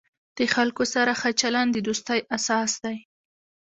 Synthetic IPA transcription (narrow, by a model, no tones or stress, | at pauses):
d̪̥əxalkosaɾaxat͡ʃaland̪əd̪ust̪ajʔasɑsd̪aj